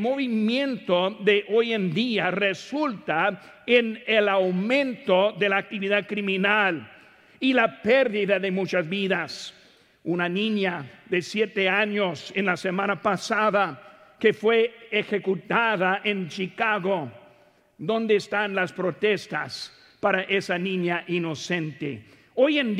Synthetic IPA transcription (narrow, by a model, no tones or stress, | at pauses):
moβimjẽnt̪oðeʔojend̪iaresult̪a | enelawmẽnt̪oðe̞laːk̚t̪iβiðaðkɾimĩnal | ilapeɾðiðaðemut͡ʃazβiðas | unanĩɲaðesjet̪eaɲosenlasemãnapasaðakefweexe̞kut̪aðaʔent͡ʃikaɣo | ðõ̞nd̪eːst̪anlaspɾot̪est̪as | paɾaʔesanĩɲaʔino̞sent̪ḛ | ojen